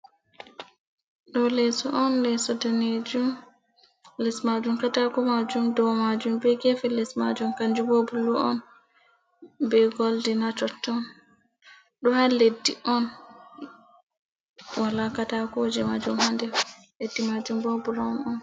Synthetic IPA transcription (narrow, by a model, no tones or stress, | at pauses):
ɗɔlɛsɔʔɔnlɛsɔdaned͡ʒum | lɛsmad͡ʒumkatakɔmad͡ʒumdɔwmad͡ʒumbɛɡɛfɛlɛsmad͡ʒumkaɲd͡ʒubobuluʔɔn | bɛɡɔldinat͡ʃɔtːɔn | ɗɔhaledːiʔɔn | wʔalakatakɔwod͡ʒimad͡ʒumhandɛ | ledːimad͡ʒumbobulɔnɔn